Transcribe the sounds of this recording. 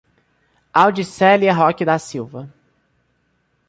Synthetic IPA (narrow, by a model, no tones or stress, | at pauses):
awd͡ʒisɛliɐɦɔkɪd̪ɐsiwvɐ